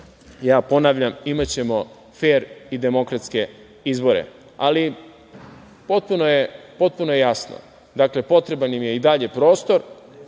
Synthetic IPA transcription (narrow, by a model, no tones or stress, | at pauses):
jaːpo̞naːʋʎamimat͡ɕe̞mo̞ | feːɾid̪e̞mo̞kɾat̪ske̞ | izbo̞ɾḛ | ali | po̞t̪̚punojepo̞t̪̚punojejasno̰ | d̪akle̞po̞t̪ɾe̞banimije̞id̪aʎe̞pɾo̞ːst̪o̞ɾ